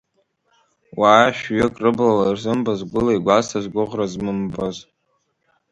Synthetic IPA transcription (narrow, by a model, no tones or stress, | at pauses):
waːʃᶣɥʏkʼrɨblalarzɨmbazɡʷʊlajɡʷasʰazɡʷʊʁrazmɨmbaz